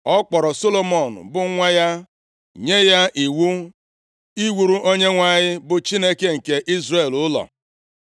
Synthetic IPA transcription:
ɔ˦k͡pɔ˨ɾɔ˨so˦lo˦mɔ˨nʊ̰˨bʊ˨˦ŋʷa˦ja˦ | ɲe˦ja˦ʔi˨wu˦ | i˦wu˨ɾu˦ʔo˦ɲe˦ŋʷa˦˨ɲɪ˦bʊ˨t͡ʃi˦ne˦ke˦ŋ̩˨ke˨ʔi˦zre˨lʊ˦lɔ̰˨

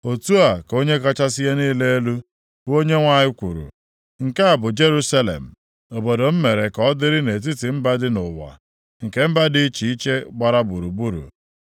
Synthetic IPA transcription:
o˨tu˦a˨ko˦ɲe˦ka˦t͡ʃa˦sɪ˦ja˦niː˦le˦e˦lu˦ | o˦ɲe˦ŋʷa˦ɲɪ˦kʷu˨ɾṵ˨ | ŋ̩˨ka˦a˨bʊ˨d͡ʒe˦ɾu˦sa˦lḛ˨m̩˨ | o˨bo˨do˨m̩˦me˨ɾe˨kɔ˦dɪ˦ɾɪ˦ne˨t̬i˦tɪ˨m̩˦ba˦dɪ˦nʊ˨wa̰˨ | ŋ̩˨ke˦m̩˦ba˦dɪ˦t͡ʃi˨i˦t͡ʃe˦ɡ͡ba˨ɾa˦bu˨ɾu˨bu˦ɾṵ˨

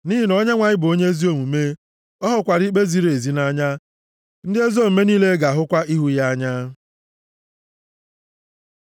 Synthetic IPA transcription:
ni˦ɦi˦nɔ˦ɲe˦ŋʷa˨ɲɪ˦bʊ˨o˦ɲe˦e˦zi˦o˦mu˨me˦ | ɔ˦ɦʊ˨kʷa˨ɾi˦k͡pe˦zi˦ɾe˨zi˦na˦ɲa˦ | n̩˦dɪ˦e˦zo˦˨m̩˨me˦niː˦le˦ɡa˨a˨ɦʊ˦kʷa˦i˦ɦu˦ja˦ɲa˦

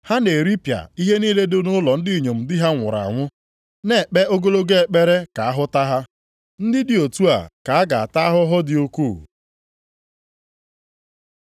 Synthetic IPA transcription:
ha˦ne˨e˨ɾi˦pja̰˨i˦ɦe˦niː˦le˦dʊ˦nʊ˦lɔ˨n̩˦dɪ˦˨ɲo˨m̩˨dɪ˦ɦa˦ŋʷʊ˨ɾa̰˨a̰˨ŋʷʊ˦ | ne˨k͡pe˦o˦ɡo˦lo˦ɡe˦e˨k͡pe˦ɾe˦ka˨a˦ɦʊ˦ta˦ɦa˦ | n̩˦dɪ˦dɪ˨o˨tu˦a̰˨ka˨a˦ɡa˨a˨ta˦a˦ɦʊ˦ɦʊ˦dɪ˨o˦kuː˦˨

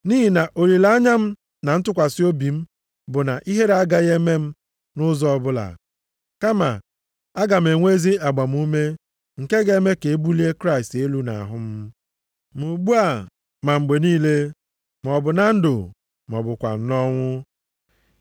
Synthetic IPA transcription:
niː˦ɦi˨na˨ʔo˨ɾi˨la˦ɲa˦m̩˦ | na˨n̩˦tʊ˦kʷa˨si˦o˦bi˨m̩˦ | bʊ˨na˨ʔi˦ɦe˦ɾa˦ɡa˦ɣe˦me˦m̩˦ | nʊ˦zɔ˦ɔ˦˨bʊ˦la̰˨ | ka˦ma̰˨ | a˦ɡa˨m̩˨e˨ŋʷe˦zi˦a˨ɡ͡ba˨m̩˦u˦me˦ | ŋ̩˨ke˦ɡe˦me˦ke˨e˦bu˦li˦e˦kɾa˦ɪ˨ste˦lu˦na̰˨a̰˨ɦʊ˦m̩˦ | mu˨ɡ͡bu˦a˦˨ | ma˨ŋ͡m̩˨ɡ͡be˨niː˦le˦ | m̩˨ɔ˨bʊ˨na˦n̩˦do˨ | m˨ɔ̰˨bʊ˨kʷa̰˨n̩˨nɔ˦ŋʷʊ˦

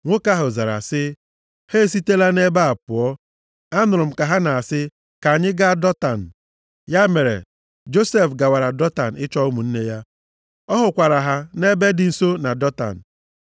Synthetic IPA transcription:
ŋʷʊ˦ka˦ɦʊ˨za˨ɾa̰˨sɪ˦ | he˦˨s̬i˦te˦la˦ne˦ba˦a˨pʊ˨ɔ˦ | a˦nʊ˨ɾʊ˨m̩˨ka˨ɦa˦na˨a˨sɪ˦ | ka˨a˨ɲɪ˦ɡa˦a˦˨dɔ˦ta˨n̩˨ | ja˦me˨ɾḛ˨ | d͡ʒo˦se˦˨fɡa˨wa˨ɾa˨dɔ˦ta̰˨n̩˨ɪ˦t͡ʃɔ˦ʊ˦mu˨n̩˦ne˦ja˦ | ɔ˦ɦʊ˨kʷa˨ɾa˨ɦa˦ne˦be˦dɪ˨n̩˦so˦na˨dɔ˦ta̰˨n̩˨

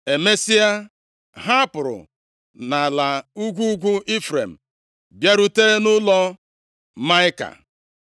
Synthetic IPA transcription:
e˨me˦si˦a˦ | ɦa˦pʊ˨ɾʊ̰˨ | na˨la˨u˦ɡʷu˦ɡʷu˦ʔi˦fɾe˨m̩˨ | bja˦ɾu˦te˦nʊ˦lɔ˦ | ma˦ɪ˦ka̰˨

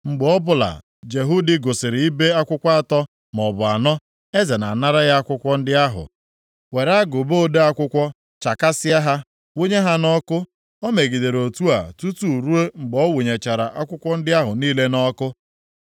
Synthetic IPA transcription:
ŋ͡m̩˨ɡ͡bɔ˦bʊ˨la̰˨ | d͡ʒe˨ɦu˦dɪ˦ɡo˨sɪ˨ɾɪ˨i˦be˦a˦kʷʊ˦kʷa˦a˦˨tɔ˦ | mɔ˨bʊ˨a˨nɔ˦ | e˦ze˨na˨na˦ɾa˦ɣa˦a˦kʷʊ˦kʷɔ˦n̩˦dɪ˦a˦ɦʊ̰˨ | we˨ɾa˦ɡʊ˨bo˦de˦a˦kʷʊ˦kʷɔ˦ | t͡ʃa˨ka˦sɪ˦a˦ɦa˦ | wo˦ɲe˦ɦa˦nɔ˦kʊ˦ | o˦me˨ɡi˨de˨ɾo˨tu˦a̰˨tu˦tu˨ɾu˦e˦ŋ͡m̩˨ɡ͡bɔ˦wu˨ɲe˨t͡ʃa˨ɾa˨ʔa˦kʷʊ˦kʷɔ˦n̩˦dɪ˦a˦ɦʊ˨niː˦le˦nɔ˦kʊ˦

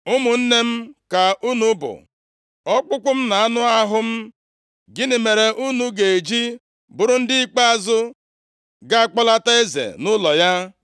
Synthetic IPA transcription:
ʊ˦mʊ˨n̩˦ne˦m̩˦ka˨ʔu˦nu˦bʊ̰˨ | ɔ˦k͡pʊ˦kʷʊ˦m̩˦na˨a˦nʊ˦a˦ɦʊ˦m̩˦ | ɡɪ˦nɪ˨me˨ɾe˨ʔu˦nu˦ɡe˨e˨d͡ʒi˦ | bʊ˨ɾʊ˨n̩˦dɪ˦i˦k͡pa˦a˦zʊ˦ | ɡa˦a˨k͡pɔ˦la˦ta˦e˦zḛ˨nʊ˦lɔ˨ja˦

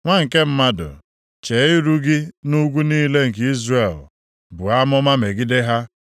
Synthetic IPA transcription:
ŋʷa˦ŋ̩˨ke˦m̩˦ma˦dʊ̰˨ | t͡ʃe˨˦ɪ˦ɾu˦ɡɪ˦nu˦ɡʷu˦niː˦le˦ŋ̩˨ki˦zre˨l | bʊ˨a˦mɔ˦ma˦me˨ɡɪ˦de˦ɦa˦

